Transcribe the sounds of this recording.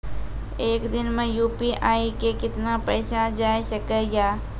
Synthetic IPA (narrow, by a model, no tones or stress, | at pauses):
eːkd̪ɪnmẽjuːpiʔaːikekɪt̪napəːsad͡ʒaːjʃəkəjaː